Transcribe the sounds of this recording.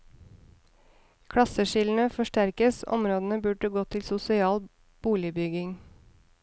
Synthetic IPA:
kʰɽɑsəʃɪln̩əfɔʃʈæɾkəsɔ̰mɾoːd̪ən̩əbʉːɖ̚ɖəɡoːt̪ʰɪlsʊsɪɑːl | b̥uːlɪbʏɡɪŋ

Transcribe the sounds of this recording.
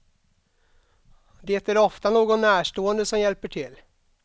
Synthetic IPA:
d̪et̪æɾɔft̪anoːɡɔnːæːʂʈoːənd̪əsɔmjɛlpəʈʰɪlː

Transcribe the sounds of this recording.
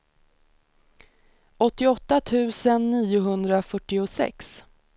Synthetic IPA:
ʔɔt̪ːɪɔt̪ːat̪ʰʉ̟ːsənːiːʊɦɵnd̪ɾafœʈːɪʊsɛ̰ks

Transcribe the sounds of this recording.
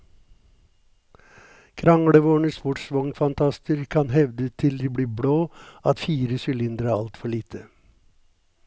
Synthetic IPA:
kʰɾɑŋɽəʋoːɳəspʊʈsʋɔŋfɑnt̪ʰɑst̪əɾkʰɑnɦɛʋd̪ət̪ʰɪld̪iːbɽiːbɽoːɑt̪fiːɾəsʏlɪnd̪ɾəæːɑ̰lt̪fɔɭiːt̪ʰə

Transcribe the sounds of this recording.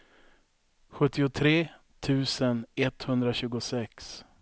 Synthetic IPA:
ɧɵt̪ːɪʊt̪ʰɾeː | t̪ʰʉ̟ːsənɛt̪hɵnd̪ɾaɕʉ̟ːɡʊsɛks

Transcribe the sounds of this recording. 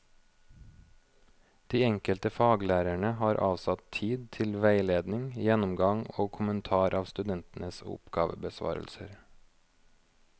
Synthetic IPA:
d̪̥iːɛŋkəlt̪əfɑːɡlæːɾæɳəhɑːɾʔɑːʋsɑt̪ʰiːd̪̚t̪ʰɪlʋæɪleːd̪nɪŋjɛnʊmɡɑŋoːkʰʊmənt̪ʰɑːɾʔɑːʋst̪ʉd̪ɛnt̪n̩əsʊ̰pɡ̥ɑ̰ːʋə̰bəsʋɑ̰ːɾə̰lsəɾ

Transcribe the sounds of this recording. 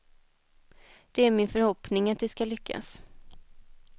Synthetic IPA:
d̪̥ɛæɾmɪnfœɾhɔpnɪŋat̪̚d̪ɛskalʏkʰːa̰s

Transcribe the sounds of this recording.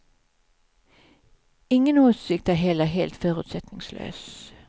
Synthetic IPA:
ɪŋːənoːsɪk̚t̪æːɦɛləɦeːlt̪føːʁʉ̰ːt̪sɛt̪nɪŋslø̰ːs

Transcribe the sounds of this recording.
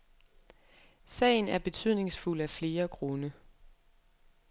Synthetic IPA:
sɛ̰ːɪn̩æɐb̥e̝t͡sʰyð̞̰ˠne̝ŋsful̰æfle̝ːɐkʰʁɔnə

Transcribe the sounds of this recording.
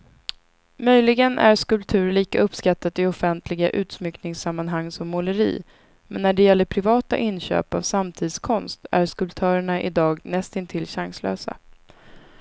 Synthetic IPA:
mœjlɪɡənʔæ̰ɾskɵlp̚t̪ʰʉ̟ːɾɭiːkaɵpːskat̪ʰːat̪ɪɔfɛnt̪ʰlɪɡaʔʉ̟ːt̪smʏknɪŋsamːanɦaŋːsɔmːʊləɾḭː | mɛnːæɖɛjɛlːəɾpʰɾɪvɑːt̪a̰ʔɪnɕø̰ːpa̰vsamt̪ʰiːd̪skʰɔnst̪æɾskɵlp̚t̪ʰœːɾəɳaʔɪ̰d̪ɑːɡnɛst̪ɪnt̪ʰɪlɕaŋslø̰ːsa̰

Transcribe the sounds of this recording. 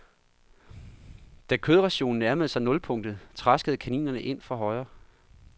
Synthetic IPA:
d̥ækʰøːð̞ˠʁɑɕo̝̰ːn̩æɐməð̞̩ˠsɑ̈ɪnɔ̽lpʰɔ̽ŋ̰d̥ð̩ˠt͡sʰʁasɡ̥əð̩ˠkʰænḭːnɐnəʔe̝n̰fʁɑ̈ɦɒ̽ɪ̰ɐ

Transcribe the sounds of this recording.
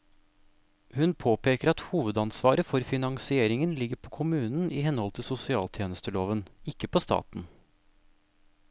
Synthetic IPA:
hʉnpʰoːpʰeːkəɾɑt̪huːʋəd̪ɑnsʋɑːɾəfɔɾfɪnɑŋsɪeːɾɪŋənlɪɡəɾpʰoːkʰʊmʉːnn̩iːhɛnhɔlt̪ʰɪlsʊsɪɑːlt̪ʰjeːnəst̪əloːʋənɪkːəpʰoːst̪ɑ̰ːt̪n̩

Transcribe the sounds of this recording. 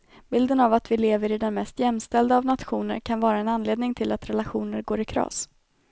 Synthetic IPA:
b̥ɪld̪ənavat̪vɪleːvəɾɪd̪ɛnmɛst̪jɛmst̪ɛld̪əaːvnat̪ɧuːnə̰ɾkʰanvɑːɾaɛnanleːd̪nɪŋt̪ʰɪlat̪ɾɛlaɧuːnəɾɡoːɾɪkʰɾɑ̰ːs

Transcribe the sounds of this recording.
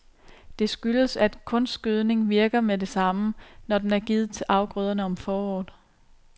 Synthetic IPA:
d̥e̝sɡ̥yləsæd̥kʰɔ̽nssɡ̥øð̞ˠne̝ŋʋiɐɡ̥ɐmed̥e̝sɑ̈mənɒd̥enæɐɡ̥iːð̞̩ˠt͡sʰe̝lʔɑ̈ʊɡ̥ʁœːð̞ˠɐnəɒ̽mfɒːɒ̰ːð̩ˠ

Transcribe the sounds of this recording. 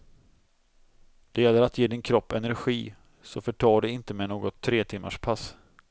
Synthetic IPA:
d̪̥ɛjɛlːəɾat̪jeːd̪ɪnkʰɾɔpːɛnæɾɧiː | sɔfœʈʰɑːɖɛɪnt̪əmɛnoːɡɔt̪ʰːɾeːt̪ʰɪmːa̰ʂpʰas

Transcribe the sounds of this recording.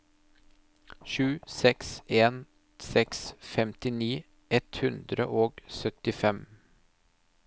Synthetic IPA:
ʃʉːsɛkseːn | sɛksfɛmt̪ɪniː | ʔɛt̪hʉnd̪ɾə̰ʔoːɡsœt̪ɪfɛm

